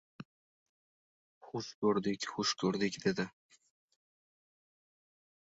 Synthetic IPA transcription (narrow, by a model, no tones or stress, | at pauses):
χʊskʲʰɵɾd̪ɪkʲχʊʃkʰɵɾd̪ɪkʲd̪e̞d̪ɪ